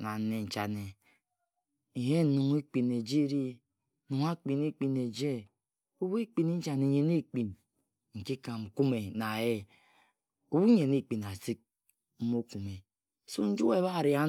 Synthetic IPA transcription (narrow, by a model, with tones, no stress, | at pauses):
na˨˦ne˨n̩˨t͡ʃa˨ne˨ | i˨he˦nu˨ŋi˦k͡pi˨nːe˨d͡ʒi˦ɾi˦˨ | nu˨ŋa˦k͡pi˨n˦i˦k͡pi˨ne˨d͡ʒe˦ | u˦we˦k͡pi˨ni˦n̩˦t͡ʃa˨ne˨ɲe˨ni˦k͡pi˨n | ŋ̩˨ki˦ka˨m̩˨ku˦me˨na˨je˦ | u˦wu˦ɲe˨ni˦k͡pi˨na˨si˦k̚ | m̩˦mo˦ku˨me˨ | su˦n̩˦d͡ʒu˦e˦˨βa˦˨ɾi˨a˦